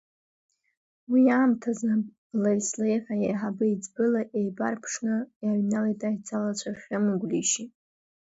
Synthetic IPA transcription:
wiaːmtʰaza | lajslejħajejħabɨid͡zbɨlaʔejbarpʰʂnɨjaɥnalajtʼajt͡sʰalat͡ɕʷʰaχʲamɨɡʷliʃi

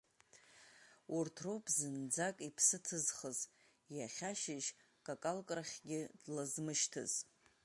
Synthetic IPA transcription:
urtʰropʰʼzɨnd͡zakʼipʰsɨtʰɨzχəz | jaχʲaʃɪʒ | kʼakʼalkʼraχʲɡʲɪdlazmɨʃtʰɨ̰z̥

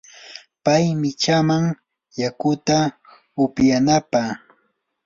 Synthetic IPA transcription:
pajmɪt͡ʃamaŋ | jakʊt̪a | ʊpjanapa

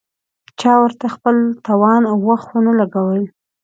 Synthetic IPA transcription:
t͡ʃɑwəɾt̪axpəlt̪ɑwɑnawːaxt̪wonalaɡawəl

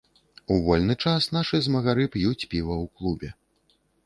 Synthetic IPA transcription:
uvɔlʲnɨt͡ʂasn̪aʂɨzmɐɣaɾɨpjut͡sʲpʲivɐwklˠubʲɛ

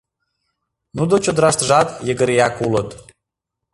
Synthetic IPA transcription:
nud̪ot͡ɕod̪əɾɑʃt̪ʒɑt̪jəɡəɾijɑkulət̪

